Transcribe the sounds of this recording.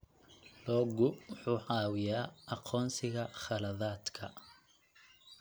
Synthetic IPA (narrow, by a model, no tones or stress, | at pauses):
lɔːɡʊwʊħuːʕɑːwɪjaːʔɑqʰɔːnsɪɣɐχɑlɐðaːd̪kʰɐ̰